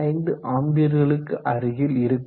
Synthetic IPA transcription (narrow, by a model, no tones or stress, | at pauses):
ɐɪnd̪ɯʔaːmbɪjɐɾɣɐɭɯkːɯʔɐɾɯɣɪlɪɾɯkː